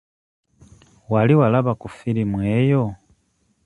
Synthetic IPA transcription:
waliwalaβakufiɾimweːjo

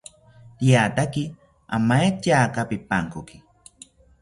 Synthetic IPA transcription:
t̪jaːt̪aki | a̰majat͡ʃaːkapipaŋkʊki̥

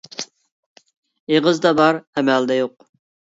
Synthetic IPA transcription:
eʁəzd̪ɑbɑɾɛmæld̪ɛjoq

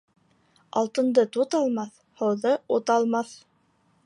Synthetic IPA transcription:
ɑ̰lˠt̪ɤ̆nd̪ɤt̪ut̪ɑlˠmɑθ | hɤ̆wðɤut̪ɑlˠmɑθ

